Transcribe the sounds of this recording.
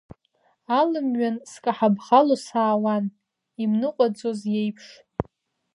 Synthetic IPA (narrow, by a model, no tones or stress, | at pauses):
alɨmɥanskʼaħabχalosaːwan | imnɨqʷʼad͡zozjejpʰʂ